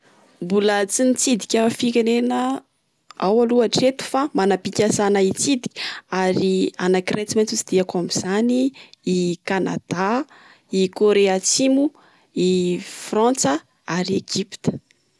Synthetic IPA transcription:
mbulət͡sinit͡sid̪ikʲəfikʲenenə | awaluaʈ͡ʂet̪u̥famanapikʲasanait͡sid̪i̥kʲə̥aɾia̰nakirajt͡simat͡sut͡sid̪̥iakamiz̥aniː | kana̰d̪̥a | ikoɾeat͡simu | ifrãnt͡sə | aɾieɡ̥ipi̥t̪ə̥

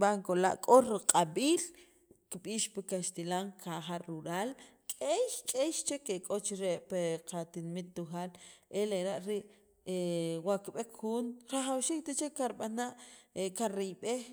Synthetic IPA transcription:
baŋkola̰ʔkʼoɾɾiqʼaɓiːl | kiɓiːʃpekaʃt̪ilaŋkʰaχaɾuɾaːlkʼejkʼeʃt͡ʃekekʼot͡ʃɾeʔpeqat̪inmit̪ːuxaːlʔeleɾaʔɾiʔ | ewaʔkiɓekxuːnɾaχawʃiːk̚t̪at͡ʃekaɾɓanaʔkaɾiɓex

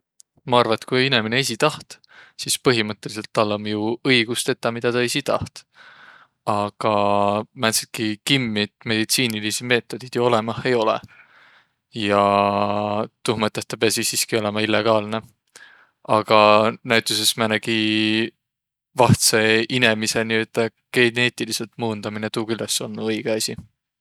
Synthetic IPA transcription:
mɑɑrvɑet̪kujinemineesʲit̪ɑht̪ | sispɤɦimɤt̪ˑːe̞lis̬e̞lt̪ːɑlːɑmjuɤjɡ̥ust̪e̞t̪ːˑɑmid̪̥ɑt̪ɑesit̪ɑht̪ | ɑɡ̥ɑmæt̪sit̪̚kikimːit̪me̞d̪̥it̪siːnilisime̞ːt̪ːˑo̞d̪̥id̪̥juo̞le̞mɑhe̞jo̞lḛ | jɑ | t̪uhmɤt̪ːˑest̪ɑpeɑsisiːskio̞le̞mɑilːe̞ɡ̥ɑːlne̞ | ɑɡ̥ɑnæɥt̪ːˑusesmænæɡ̥i | vɑht̪seine̞miseniø̞d̪̥ɑ | ɡ̥e̞ne̞ːt̪ilise̞lt̪muːnd̪̥ɑminet̪uːkylːɑsonnːuɤjɡ̥eɑsʲi

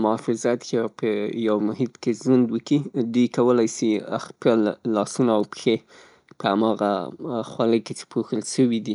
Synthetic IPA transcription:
mʊɑfɪzat̪jɑpəjawmʊɦid̪kezwand̪wəkid̪ujkawəlajsia̰xkəllɑsunaːwpxe | pəamɑɣa̰xwaləjket͡ʃe̥pʰoxəlʃəwid̪i

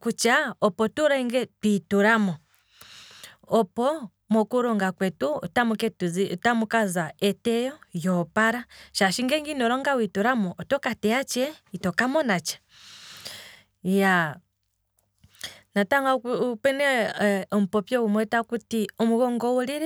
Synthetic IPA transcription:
kut͡ʃaɔpɔtuɾɛŋɡɛtwituɾamɔ | ɔpɔ | mɔkuɾɔŋɡakwɛtutamukɛtutamukazaɛtɛjɔjɔpaɾaʃaʃiŋɡɛŋɡinɔɾɔŋɡawituɾamɔʔːtɔkatɛjat͡ʃɛitɔkamɔnat͡ʃḁ | ja | nataŋɡapɛnɛɔm̩pɔpjɔwumwɛtakutiɔmuɣɔŋɡɔuliɾɛ

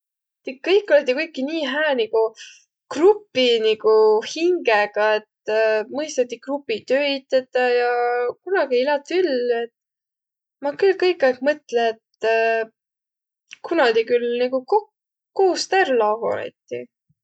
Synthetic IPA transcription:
t̪ikːɤjkːˑolet̪ːˑikujkːˑiniːɦæːniɡu | krupːˑiniɡuhiŋɡeɡ̥ɑet̪mɤjst̪ɑt̪ːˑikrupːˑit̪øːit̪ːet̪ːˑɑjɑkunɑɡ̥ieilɑt̪ːˑylet̪ | mɑkylkɤjkːˑɑɡ̥mɤt̪leːt̪ | kʰunɑd̪ikylniɡukok | koːst̪ærlɑɡo̰nḛt̪ːˑi

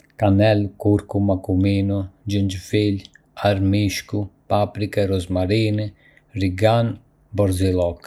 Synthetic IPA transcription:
kanɛlkuɾkumakuminud͡ʒəɲd͡ʒfil | aɾmiʃkupapɾikɛɾɔzmaɾin | riɡan | bɔɾzilɔk

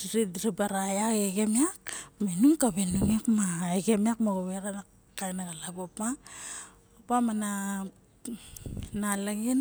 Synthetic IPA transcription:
ɾiɾidɾibaɾajaɡeɡemiak̚menuŋkaβenunikmaeɡemiakmaɡoβeɾana | kajnaɡalaɡopa | apamana | nalaɡin

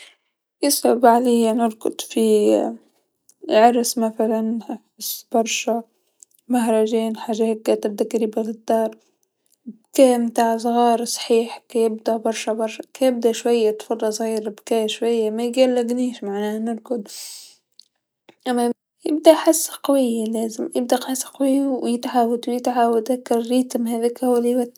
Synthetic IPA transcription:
jɪsʊbʕalejːanɪɾkʊd̪fi | ʕɑɾˤsmaθalan | ɪsb̥ɑɾˤʃa | maɦɾˤɑʒeːnħaʒahkːat̪ɪb̚d̪akaɾibɪɣɪd̪ːɑːɾˤ | b̚keːmt̪aːʕs̬ˤɣɑːɾsˤħiːħkajɪbd̪abɑɾˤʃabɑɾˤʃkajɪb̚d̪aʃwajːat̪fɑdˤːɑsˤɣiːɾbkaːʃwajːamajɡalːɪɡniːʃmaʕnaːnɪɾkʊd̪ | ʔamːa | jɪb̚d̪aʔħasːqɑwɪjːaleːzɪmjɪb̚d̪aʔħasːqɑwɪjːwjɪt̪ʕawɪt̪wɪt̪ʕawɪt̪akːɪɾːiːt̪mhaːðikhwliwa

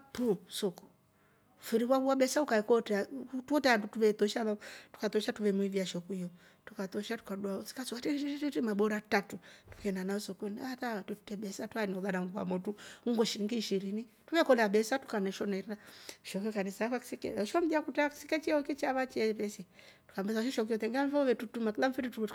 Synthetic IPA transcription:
pusɔku̥ | fiɾikwaβuwaɓɛsaukakɔtɛatuɔtɛadutuβɛt̪ɔʃamatu̥kat̪ɔʃatuβɛmwiviaʃɔkuijɔ | tukat̪ɔʃatu̥kadwasi̥kasukatɛtɛtimaɓɔɾatatutu̥kɛnanaɔsɔkɛniataatɛtu̥tɛɓɛsatuaniɔɡanaŋɡua̰mɔtuuŋɡɔʃiɾiŋɡiːʃiɾinituβɛkɔnaɓɛsatu̥kanɛʃɔnaiɾaʃɔkikanɛsaakaki̥sikɛ̰aʃɔm̩diakutaaki̥sikɛt͡ʃɛɔkɛt͡ʃaβat͡ʃɛβɛsitu̥kambɛsaʃɔʃɔk̬ijɔt̪ɛŋɡamfɔβɛtutumakilam̩fititu

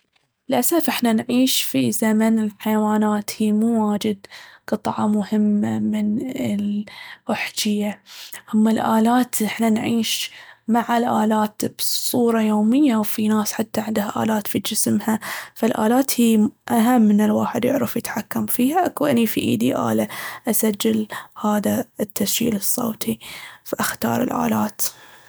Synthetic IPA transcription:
ɪlʔasafʔɪħnanʕiːʃfizamanɪlħajawaːnaːt̪hiːmuːwaːd͡ʒɪd̪qɨt̪ˤʕɑmʊhɪmːamɪnɪlʔʊħd͡ʒɪjːahʊmːalʔaːlaːt̪ʔɪħnanʕiːʃmaʕalʔaːlaːt̪b̥sˤuːɾˤɑjoːmɪjːawfinaːsħat̪ːaʕɪnd̪haʔa̰ːlaːt̪fid͡ʒɪsmhafalʔa̰ːlaːt̪hiːʔaɦamːɪnːɪlwaːħɪd̪jɪʕɾɑfjɪt̪ħakːamfiːhaʔakwɪnifiʔḭːd̪iʔa̰ːlaʔasad͡ʒːɪlhaːðat̪ːasd͡ʒḭːlɨsˤːo̰ːt̪ʰifaʔaxt̪ɑ̰ːɾˤɪ̰lʔa̰ːlaːt̪

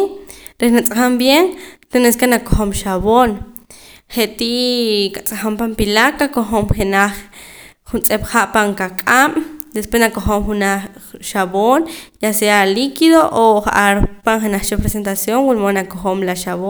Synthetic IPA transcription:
ɾenaʔt͡sʼaχambjeŋt̪eneskenakoχomʃaβon | χeʔt̪iʔkat͡sʼaχampampilakakoχomχenaχ | χunt͡sʼepχaʔpaŋkakʼam̰d̪espwesnakoχomχunaχʃaβonjasealikiðoʔoχa̰ʔaɾpaŋχenaχt͡ʃapɾesent̪asjoŋwulmonakoχomlaʃaβo

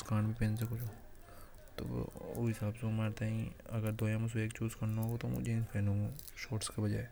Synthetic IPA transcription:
skaːnbʱipẽːnsekʊt͡ʃʰoː | t̪o̰ːo̰ɦɪsaːbsemaːɾt̪aĩɐɡəɾd̪oːjãmʊs̬eːkt͡ʃuːzkɐɾnaɦoɡot̪omʊ̰d͡ʒẽpeːnõːɡo | ʃoːʈskebɐd͡ʒa̰ːe

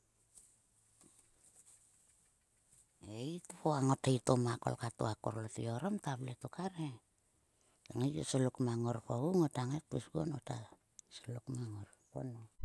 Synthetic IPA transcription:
eitupoaŋo̞taitomako̰lkatoako̰ɾlotḭo̞ɾomtabletokaɾe | aŋejto̰salukmaŋoɾkouŋotaŋek̚pusɡo̰nota | salukmaŋor | po̰no

